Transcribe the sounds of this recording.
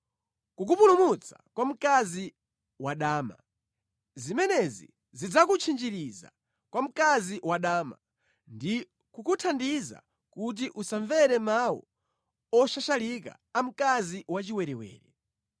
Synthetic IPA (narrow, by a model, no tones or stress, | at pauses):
kuk̬upulumut͡sʰḁ̰kwam̩kazi | waɗaːma̰ | zimɛnɛzḭ | zid͡zak̬ut͡ʃʰind͡ʒiɾiza̰ | kwam̩kaziwaɗaːma̰ | ndi | kukutʰandiza̰ | kut̬iʔusaɱvɛɾɛmawɔ̰ | ɔʃaʃalika̰ːm̩kaziwat͡ʃiwɛɾɛwɛ̰ːɾɛ